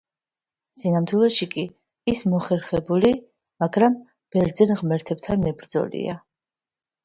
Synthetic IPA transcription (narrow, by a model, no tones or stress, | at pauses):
sinamt̪ʰwilˠaʃikʼi | ismɔχɛɾχɛbuli | maɡɾam | b̥ɛɾd̪zɛnʁmɛɾt̪ʰɛb̚t̪ʰanmɛbɾd̪zɔ̰lḭa̰